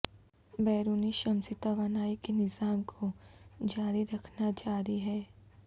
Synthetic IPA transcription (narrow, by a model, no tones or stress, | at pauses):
bɛːɾuːniʃɐmsɪt̪aʋaːnaːikenɪzaːmkʰod͡ʒaːɾiɾɐkʰnad͡ʒaːɾiɦɛː